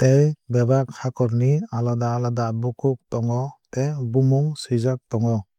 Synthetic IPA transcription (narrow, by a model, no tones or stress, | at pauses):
tejbɛbakhakɔɾnialɔdaːladabukuk̚tɔŋɔtejbumuŋsizak̚tɔŋɔ